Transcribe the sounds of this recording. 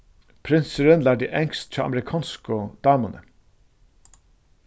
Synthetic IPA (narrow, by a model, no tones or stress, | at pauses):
pʰɾɪnsəɾənlæd̪ɪʔɛŋst̪t͡ʃʰɑːʔɑ̰mɛɾɪkʰɑːnskʊd̪̥ɑːmʊnə̰